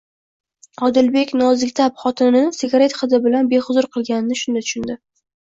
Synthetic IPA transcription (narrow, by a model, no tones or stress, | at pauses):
ɒd̪ɪlbe̞kʲnɒzɪkʲt̪ʰapχɒt̪ʰɪnɪsɪɡʲaɾe̞t̪χɨd̪ɪbɪlanbe̞χʊzʊɾqʰɨlˠɡʲanɪnɪʃʊnd̪at̪ʰʊ̥ʃʊnd̪ɪ